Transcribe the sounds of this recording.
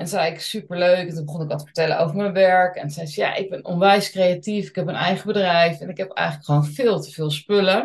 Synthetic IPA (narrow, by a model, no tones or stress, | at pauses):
ʔɛnzɛjɪksypəɹløɥkɛntunbəχɔnɪkʋɑtəfə̥ɹtɛləowvəɹmɛnʋɛɹkɛnsɛjsja̰ʔɪɡ̚bɛnɔ̰nʋɛjskrejatifɪ̥kɛpmənɛjχəbədrɛjfɛnɪkɦɛpɛ̰jχələkχʋownvɪːlˠtəvɪːlˠspølə